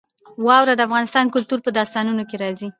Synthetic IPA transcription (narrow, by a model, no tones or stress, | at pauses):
wɑwɾad̪əafɣɑnɪst̪ɑnkʊlt̪uɾpəd̪ɑst̪ɑnunokeɾɑzi